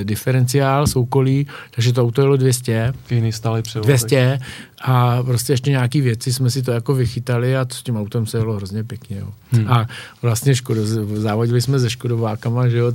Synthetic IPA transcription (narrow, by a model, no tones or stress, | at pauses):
dɪfɛɾɛnt͡sɪaːlso̞wko̞liːt̪aɡʒɛt̪̬oawt̪ojalodvjɛscɛkɛjnist̪aːlɪpr̥ɛdvjɛscɛʔapɾoscɛɛʃcɛɲaːkiːvjɛt͡sɪsmɛsɪt̪̬ojako̞vɪxɪt̪alɪat̪oscɛmawt̪ɛmsɛjalo̞ɦɾozɲɛpjɛkɲɛjo̰avlast̪ɲɛʃkodozavoɟɪlɪsmɛzɛʃkodovaːkamaʒɛjo